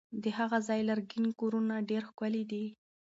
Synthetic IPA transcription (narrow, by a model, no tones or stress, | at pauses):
d̪əhaɣazɑjlaɾɡinkoɾunaɖeɾxkalid̪i